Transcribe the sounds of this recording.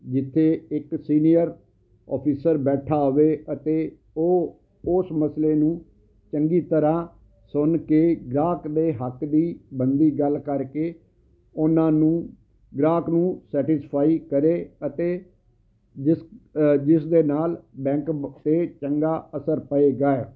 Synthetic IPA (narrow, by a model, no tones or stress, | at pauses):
d͡ʒɪt̪ʰːeːɪksiːnijəɾ | ɔ̰ːpʰiːsəɾbɛːʈʰaːɦoʋeːət̪eː | oː | ʊsməsleːnũː | t͡ʃəŋɡiːt̪əɾãː | sʊnkeːɡɾaːkd̪eːɦəkd̪iːbənd̪iːɡəlkəɾkeː | ʊnãːnũː | ɡɾaːknũːsɛːʈɪspʰaːiːkəɾeːət̪eː | d͡ʒɪsd͡ʒɪsd̪eːnaːlbɛ̃ːŋkt̪eːt͡ʃəŋɡaːəsəɾpəeːɡaːeː